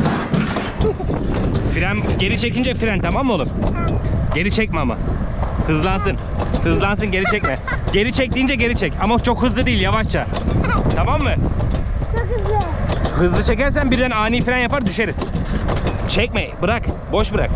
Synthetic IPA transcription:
fiɾænɟe̞ɾit͡ʃʰecind͡ʒɛfiɾænt̪ʰamamːɯolˠum | ɟe̞lɾit͡ʃʰɛc̚mɛama̰hɯzlˠans̬ɯn | hɯzlˠansɯnɟe̞ɾʲit͡ʃʰɛc̚mɛ | ɟe̞lɾʲit͡ʃʰɛc̚t̪iːnd͡ʒɛɟe̞ɾit͡ʃʰɛcamat͡ʃʰo̞khɯzlˠɯd̪iːlʲjavaʃt͡ʃʰa | t̪ʰamamːɯ | hɯzlˠɯt͡ʃʰe̞cæɾs̬ænbiɾd̪ænaːniːfiɾɛnjapaɾd̪yʃe̞ɾiz̥ | t͡ʃʰɛc̚mɛbɯɾakbo̞ʃbɯɾa̰k̚

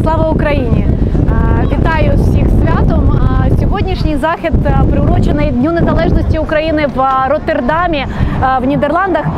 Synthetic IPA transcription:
slˠɑʋɐʊkɾɐjinʲi | ʋʲit̪ɑjʊsʲixsʲʋʲat̪ɔmsʲɔʋodʲnʲiʂnʲɪjzaxʲɪd̪pɾɪʊɾɔt͡ʃɪnɨjdʲnʲunɛzɐlˠɛʐnɔsʲtʲiʊkɾɐjinɪʋɾɔt̪erd̪amʲɪ | ʋnʲid̪ɛrlˠɑnd̪ɐx

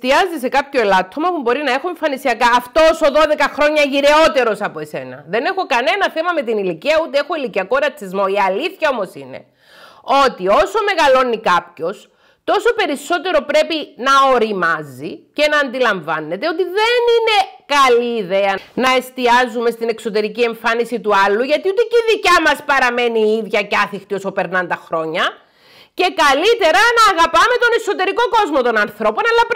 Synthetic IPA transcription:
st̪iɐzise̞kɐpço̞elɐt̪ɾomɐpubo̞ɾinɐexoeɱfɐnisiɐkɐːft̪o̞so̞ðo̞ðe̞kɐxɾo̞ɲːɐʝiɾe̞o̞t̪e̞ɾo̞sɐpoe̞se̞̰nɐ̰ðe̞ne̞xo̞kɐne̞nɐθemɐme̞t̪iniliciɐut̪eexoiliciɐko̞ɾɐt͡sizmo̞iɐliθçɐo̞mo̞sinḛ | o̞t̪io̞so̞me̞ɣɐlo̞nikɐpço̞s | t̪o̞so̞pe̞ɾiso̞t̪e̞ɾo̞pɾe̞pinɐoɾimɐzice̞nɐːnd̪ilɐɱvɐnːe̞t̪e̞o̞t̪iðe̞nine̞kɐliːðe̞ɐnɐe̞st̪iɐzume̞st̪ine̞kso̞t̪e̞ɾicie̞ɱfɐnisit̪uɐlːuʝɐt̪iot̪eciðicɐmɐspɐɾɐme̞niiðʝɐcɐθixt̪io̞so̞pe̞ɾnɐnd̪ɐxɾo̞ɲɐ | ce̞kɐlit̪e̞ɾɐnɐːɣɐpɐme̞t̪o̞ne̞so̞t̪e̞ɾiko̞ko̞zmo̞t̪o̞nɐnθɾo̞po̞nɐlːɐp

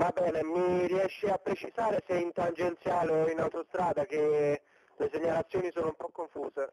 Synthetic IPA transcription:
vabːɛːnemiriɛʃːeapːɾet͡ʃizaːɾeseint̪and͡ʒent̪sjaːloinawt̪ost̪ɾaːd̪ak̟e | leseɲːalat̪sːjoːnisoːnoumpɔkːoɱfuːze

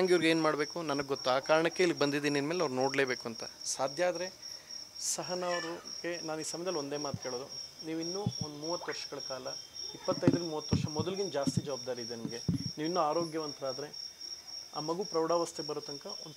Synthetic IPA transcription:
aŋɡiʋɾɡeːnmaːɽbe̞ːkunɐnɐɡeɡot̪ːuaːkaːɾɐɳɐkːe̞ilːiɡebɐnd̪id̪iːniɐnmeːlɐʋɾuno̞ːɽle̞ːbe̞ːkuɐnt̪ɐ̰saːd̪ʱjaːd̪ɐɾe̞ | sɐɦɐnɐʋɾuɡe̞naːniːsɐmjɐd̪ɐlio̞nd̪e̞ːmaːt̪kʰe̞ːɭoːd̪uniːʋinːuːond̪umuːʋɐt̪ːʋɐɾʃɐ̥ɡɐɭɐkaːlɐipːɐt̪ːɐjd̪ɾinmuːʋɐt̪ːʋɐɾʃɐmɔd̪ɐliɡind͡ʒaːst̪id͡ʒɐʋaːb̚d̪aːɾid̪enɐmɐɡe̞niːʋinːuaːɾo̞ːɡjɐʋɐnt̪ɐɾaːd̪ɐɾe̞ | a̰ːmɐɡuːpɾɐwɽaːʋɐst̪ʰebɐɾot̪ɐŋkɐond̪

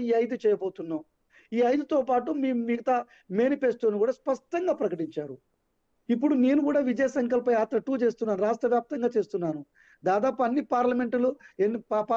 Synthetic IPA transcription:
iːɐjd̪ut͡ʃɛːjɐboːt̪unːa | iːɐjd̪ut̪oːpaːʈumiːmiɡɐt̪ɐ | me̞ːnipe̞ːst̪uːnikuːɽaːspɐʂʈɐŋɡaːpɾɐkɐʈiɲt͡ʃaːɾu | ipːuɽune̞ːnukuːɽaːʋid͡ʒɐjɐsɐŋkɐlpɐjaːt̪ɾɐʈuːt͡ʃe̞ːst̪unːaːnuɾaːsʈɾɐʋjaːp̚t̪ɐŋɡaːt͡ʃe̞ːst̪unːaːnu | d̪aːd̪aːpuɐnːipaːɾlɐme̞ɳʈuluenːipapa

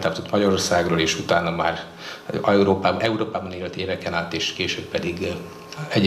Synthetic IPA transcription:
t̪aːpt̪ot̪mɒɟɒɾo̞rsaːɡroːleːʃut̪aːnɒma̰ːr | ɛuɾoːpaːb̪ɛuɾoːpaːbɒneːlɛt̪ieːvɛkɛnaːt̪eːʃkeːʃøːbpɛd̪iɡ | ɛɟ

